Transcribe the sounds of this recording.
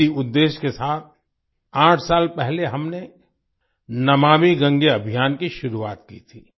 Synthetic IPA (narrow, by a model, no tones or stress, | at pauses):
iʊd̪ːeːʃkesaːt̪̚ʰ | ãːʈʰsaːlpɛɦleɦɐmne | nɐmaːmiɡɐ̃ŋɡeɐbʱijaːnkiʃʊɾuaːt̪kḭt̪ʰiː